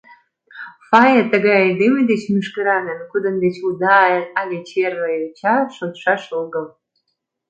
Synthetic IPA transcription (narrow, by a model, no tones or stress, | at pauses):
fɑjet̪əɣɑjɑjd̪emed̪et͡ɕmyʃkəɾɑnənkud̪ə̆nd̪et͡ɕud̪ɑɑlet͡ɕerːəjot͡ɕɑʃot̪ʃɑʃoɣəl